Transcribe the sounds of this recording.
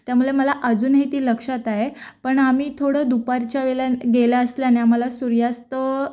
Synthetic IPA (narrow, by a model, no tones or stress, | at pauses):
t̪jamuleməlaʔəd͡zuːnɦit̪iːləkʂat̪aɦepəɳamiːt̪ʰoɽəd̪upaɾt͡ɕjaʋelaɡelaəsljaneaməlasuɾjast̪ə